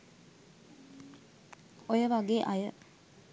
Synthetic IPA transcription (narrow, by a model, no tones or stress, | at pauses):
ojəʋaɡeʔajə